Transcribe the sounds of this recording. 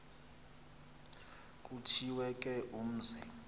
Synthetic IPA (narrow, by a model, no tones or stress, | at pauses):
k̬ʼutʰiwɛk̬ʼɛʔum̩zi